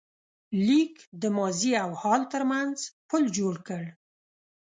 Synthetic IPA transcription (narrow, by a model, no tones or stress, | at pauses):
likd̪əmɑziawhɑlt̪əɾmanzpəld͡ʒoɽkəɽ